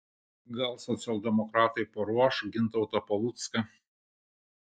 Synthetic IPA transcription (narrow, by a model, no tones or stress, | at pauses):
ɡɐlˠsɔt̪sʲɛlˠʲd̪ʲɛmɔkɾɑːt̪ɐɪpɐɾuɔʃɡʲɪnt̪ɐʊt̪ɐpɐlˠut̪skɐ